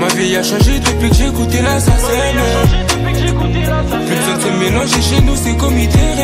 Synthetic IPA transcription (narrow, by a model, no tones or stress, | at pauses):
mavjɛjaʃɑ̃ʒed̪əplikʒekut̪elasasɛn | u | plysɛ̃sɛ̃melɑ̃ʒeʃenusekɔmid̪eʁ